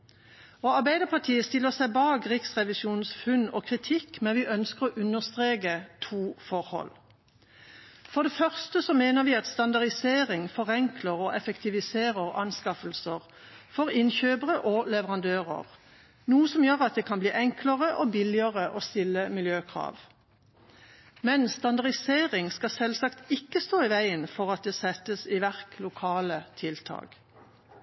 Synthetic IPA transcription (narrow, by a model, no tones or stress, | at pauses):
oːɑʁbæɪd̪əpʰɑʁʈʰiːəst̪ɪlːəʁsæɪbɑːɡʁɪksʁɛʋɪsjuːnsfʉnɔ̰ːkʰʁɪt̪ʰɪkmɛnʋɪʔœnskəʁɔʔʉnəʁst̪ʁeːɡət̪ʰuːfɔʁhɔ̰l | fɔʁd̪ɛfœʁst̪əsɔmeːnəʁʋiːɑt̪st̪ɑnd̪ɑʁd̪ɪseːʁɪŋfɔʁɛŋkʰləʁɔʔɛfɛkt̪ʰɪʋɪseːʁəʁɑnskɑfəlsəʁ | fɔʁɪnçøːbəʁəʔolɛʋəʁɑnd̪øːʁə̰ʁ | nuːəsɔmjøːʁɑt̪̚d̪eːkʰɑnbliːʔɛŋkləʁəʔoːbɪlɪəʁəʔoːst̪ɪlːəmɪljøːkʰʁɑ̰ːʋ | mɛnst̪ɑnd̪ɑʁd̪ɪseːʁɪŋskɑsɛlsɑkt̪ɪkːəst̪oːɪʋæɪənfɔʁɑt̪̚d̪eːsɛt̪ːəsiʋæʁklʊkʰɑːlət̪ʰɪlt̪ʰɑ̰ːɡ̥